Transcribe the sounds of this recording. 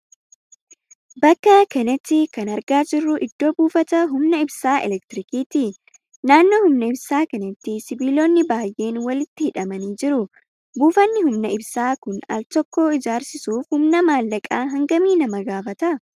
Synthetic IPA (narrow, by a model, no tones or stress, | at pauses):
bɐkːɐkɐnɐt̪ːɪkɐnɐɾɡaːd͡ʒɪrːʊʔɪd̪̥ːo̞ːbuːfɐt̪ɐɦʊmnɐɪbsaːʔɛ̰lɛk̚t̪ɪɾɪkiːt̪ɪ | naːnːo̞ːhʊmnɐɪbsaːkɐnɐt̪ːɪsɪbiːloːnːɪbaːjʔe̞ːnwɐlɪt̪ːɪhɪᶑɐmɐniːd͡ʒɪɾʊ | buːfɐnːɪhʊmnɐɪbsaːkʊnɐ̰lt̪ɔkːo̞ːɪd͡ʒaːɾsɪsuːfhʊmnɐmaːlːɐkʼaːɦɐŋɡɐmiːnɐmɐɡaːfɐt̪ɐ